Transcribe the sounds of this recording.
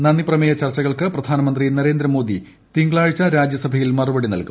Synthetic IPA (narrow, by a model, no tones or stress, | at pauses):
nɐnːiprɐmejɐt͡ɕɐrt͡ɕːɐɣɐɭkɨprɐd̪ʱaːnɐmɐnd̪rinɐɾe̞ːnd̪ɾɐmo̞ːd̪ʱi | t̪iŋɡɭaːɻit͡ɕːɐɾaːd͡ʑjɐsɐbʱɐjilmɐrubɐɽinɐ̰lku